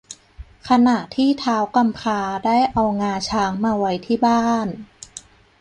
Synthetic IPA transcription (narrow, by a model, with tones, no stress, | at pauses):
kʰa˧na˨˩ʔt̪ʰiː˥˩t̪ʰaː˦˥wka˧mpʰaː˧daː˥˩jʔa˧wŋaː˧t͡ɕʰaː˧˦˥ŋmaː˧wa˧˥jt̪ʰiː˥˩baː˥˩n